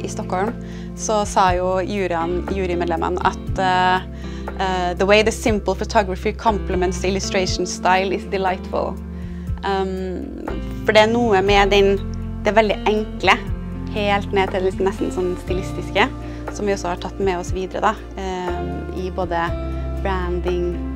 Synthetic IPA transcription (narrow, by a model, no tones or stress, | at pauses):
ʔɪst̪ɔkhɔlm | sɔsɑːjʊjʉːɾɪɑnjʉːɾɪmɛːd̪lɛmə̰nɑ̰t̪ | ðəweɪðəsɪ̃mpəl̩fʊt̪ʰɔɡɾɹɑfɪkʰɑmpləmɛ̃nsɪlʉst̪ɹɛɪʂn̩st̪ɑɪlɪsd̪ɪlaɪt̪fʊ̰lˠ | fɔɖɛæɳuːəmɛd̪ɛn | d̪̥ɛʋɛld̪ɪʔɛŋklə | heːlt̪neːd̪̚t̪ʰɪld̪ɛlɪsɔmnɛst̪n̩sɔnːst̪ɪlɪst̪ɪskə | sɔmʋɪɔsːɔhɑʈʰɑt̪ːmɛɔsʋiːd̪əɾə̰d̪ɑ | ɪboːd̪əb̥ɾænd̪ɪŋ